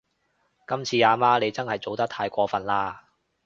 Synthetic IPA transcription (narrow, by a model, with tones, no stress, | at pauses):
kɐ˥mt͡sʰiː˧aː˧maː˥le˨˧jt͡sɐ˥nhɐ˨˩jt͡so˨˧wt̪ɐ˥k̚t̪ʰaː˧jkʷɔː˧fɐ˨nlaː˧